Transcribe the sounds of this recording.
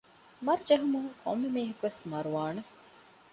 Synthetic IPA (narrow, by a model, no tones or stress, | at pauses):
mɐɾud͡ʒeɦumuŋkʰo̰mːemiːɦɐkuʋesmɐɾuʋaːnɐ